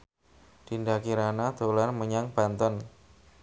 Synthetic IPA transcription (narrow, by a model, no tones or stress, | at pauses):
d̪̥indakiɾanad̪̥o̤larməɲaŋb̥a̤nt̪ɔn